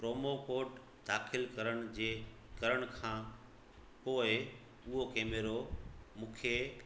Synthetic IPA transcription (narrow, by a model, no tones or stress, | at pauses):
pɾoːmokoːʈ | d̪aːxɪlkɐɾəɽ̃̆d͡ʑeː | kɐɾəɽ̃̆kʰãː | poːɪ | ʊɦokeːmeɾomũːkʰe